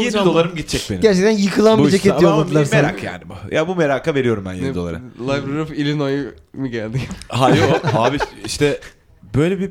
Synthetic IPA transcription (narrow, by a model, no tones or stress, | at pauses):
jenid̪o̞lˠaɾɯmɟit̪t͡ʃʰɛc̚beniɟæɾt͡ʃʰɛk̚t̪ʰænjɯkʰɯlˠanbid͡ʒeceijollˠad̪ɯlˠaɾsmeɾa̰kja̰ːnibujʔabumeɾaːkave̞ɾijo̞ɾumbænjeid̪olˠaɾɯmlˠavɾiɾufilʲinojɯ | mɯɟælʲd̪iɦajoaːbiiʃt̪ʰɛ | bøjlʲebi